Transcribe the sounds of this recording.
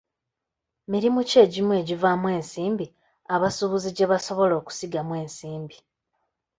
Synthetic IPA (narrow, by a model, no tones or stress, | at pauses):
miɾimuce̞ːɟimwe̞ːɟivamwe̞ːnsiːmbi | aβasuβuziɟe̞βaso̞βo̞lo̞ːku̥siɡamwe̞ːnsiːmbi